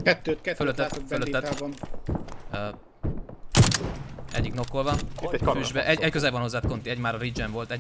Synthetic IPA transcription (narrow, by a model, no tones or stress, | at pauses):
kɛt̪ːøːt̪kɛføløt̪ːɛat̪oɡøløiːɛt̪ːbɔn | ɛ̰ɟːikno̞kːolvɒniːɛ̥kɒfyʒbɛʔɛɟɛckøzɛvɒnho̞zːaːt̪ko̞nt̪iɛɟmaːɾɒɾid͡ʒɛɱvo̞lt̪ɛ